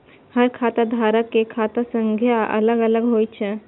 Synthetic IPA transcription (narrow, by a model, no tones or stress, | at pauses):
həɾkʰaːt̪ad̪ʱaːɾəkːekʰat̪asə̃ŋɡʱjaə̰ləɡələɡɦojt͡ʃʰɛ